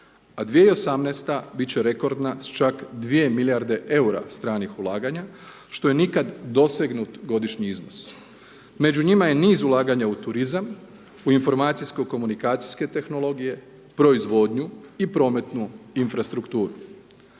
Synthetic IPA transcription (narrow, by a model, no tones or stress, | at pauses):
ad̪ʋijeio̞samnest̪abit͡ɕe̞ɾe̞ko̞ɾd̪nast͡ʃakd̪ʋie̞miljaɾd̪e̞ʔe̞uɾa̰st̪ɾaːnixulˠaːɡaɲa | ʃt̪o̞je̞nikad̪ːo̞se̞ɡnut̪ɡo̞d̪iʃɲiizno̰s | me̞d͡ʑuɲimaje̞niːzulˠaːɡaɲaut̪uɾizam | uinfo̞ɾmaːt̪sijsko̞ko̞munikaːt̪sijske̞t̪e̞xno̞lˠo̞ɡije̞ | pɾo̞izʋo̞ːd̪ɲuipɾo̞ːme̞t̪nuinfɾast̪ɾukt̪uːɾu